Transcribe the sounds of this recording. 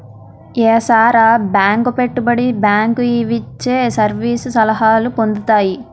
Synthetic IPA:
eːsaːɾaːbjaːŋkupe̞ʈːubɐɽibjaːŋkuiʋit͡ʃːeːsɐɾʋiːsusɐlɐɦaːlupo̞nd̪ut̪aːji

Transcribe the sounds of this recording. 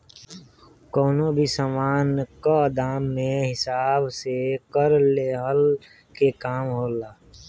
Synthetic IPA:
kɔːnobʱisaːmaːnkad̪aːmːẽɦɪsaːbsekəɾleːɦəl | kekaːmɦoːlaː

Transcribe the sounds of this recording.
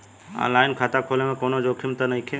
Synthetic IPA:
ã̰ːnlaːɪnkʰaːt̪akʰoːlemẽkoːnod͡ʒoːkʰɪmt̪ənɐikʰẽ

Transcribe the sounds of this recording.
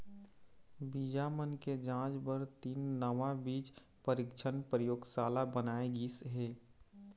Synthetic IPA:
bid͡ʒamənked͡ʒãːt͡ʃbəɾt̪iːnːəʋãbiːt͡ʃ | pəɾɪkt͡ʃʰənpɾəjoːɡsaːlabənaːeɡisɦeː

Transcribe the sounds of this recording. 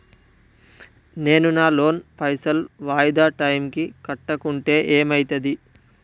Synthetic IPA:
ne̞ːnunaːlo̞ːnpɐjsɐlʋaːjɐd̪aːʈɐjmkikɐʈːɐkuɳʈe̞ːʔeːmɐjt̪ɐd̪i

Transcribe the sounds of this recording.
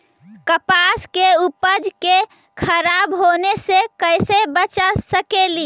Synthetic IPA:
kəpaskeupəd͡ʒke | kʰəɾabɦonesekəjsebət͡ʃasəkeli

